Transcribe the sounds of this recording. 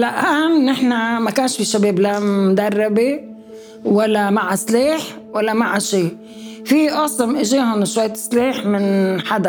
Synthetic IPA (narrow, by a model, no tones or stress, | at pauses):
laʔamnɪħnamakaːnʃfiʃabeːblamʊd̪arˤːɑbi | walːamaʕasleːħ | walːamaʕaʃiː | fiʔɑsˤɑmʔɪʒeːɦʊnʃwajːt̪sliːħmɪnħad̪a